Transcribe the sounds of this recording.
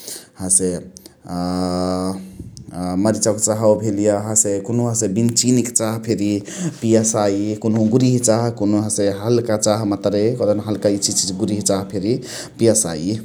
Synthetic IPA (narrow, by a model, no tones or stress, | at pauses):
ɦãse | məɾit͡ʃakt͡ʃaɦwbʱelijaɦãsekonuɦãsẽbint͡ʃinikt͡ʃaɦpʰeɾipijəsaikonɦoɡuɾiɦt͡ʃaɦkonoɦãseɦəlkat͡ʃaɦmət̪ɾekod̪ənɦəlkait͡ʃʰit͡ʃid͡ʒɡuɾiɦt͡ʃaɦpʰeɾi | pijəsa̰i